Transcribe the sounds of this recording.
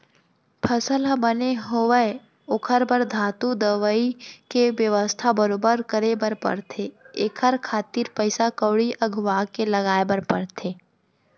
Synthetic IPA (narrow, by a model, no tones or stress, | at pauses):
pʰəsəlbəneɦoʋəe | ʊkʰəɾbəɾd̪ʱaːt̪ud̪əʋəikeʋjəʋəst̪ʰabəɾoːbəɾkəɾebəɾpɐ̰ɽt̪ʰeeːkʰəɾkʰaːt̪iːɾpəɪsakəwɽiʔɐɡʱʋaːkelɐɡaːebəɾpəɽt̪ʰeː